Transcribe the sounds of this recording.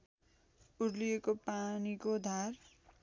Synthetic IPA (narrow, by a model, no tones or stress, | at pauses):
uɽlijekopanikod̪ʱar